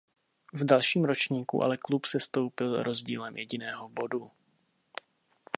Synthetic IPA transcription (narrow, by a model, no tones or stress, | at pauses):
vdalʃiːmɾo̞t͡ʃɲiːkṵʔa̰lɛklupsɛst̪o̞wpɪlɾʔo̞zɟḭːlɛmjɛɟɪnɛːɦobo̞du